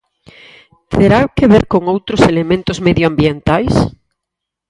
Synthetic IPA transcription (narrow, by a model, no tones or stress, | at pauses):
t̪ʰeɾakeβeɾkoŋowt̪ɾoselemẽnt̪ozmeðjoambjent̪ajs